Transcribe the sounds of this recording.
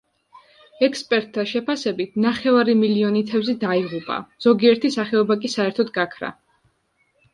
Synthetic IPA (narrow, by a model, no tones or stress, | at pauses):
ɛkspʼɛɾt̪ʰːaʃɛpʰasɛbit̪ʰnaχɛvaɾimiliɔnit̪ʰɛbzɛd̪aiʁupʼa̰z̥ɔɡiɛɾt̪ʰisaχɛɔbakʼisaɛɾt̪ʰɔd̪ɡakʰɾa̰